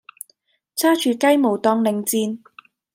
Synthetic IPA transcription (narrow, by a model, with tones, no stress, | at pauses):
t͡sʰaː˥t͡ʃʰyː˨˧kɐ˥jmo˨˩wt̪ɔː˧ŋlɪ˨˩ŋt͡siː˧n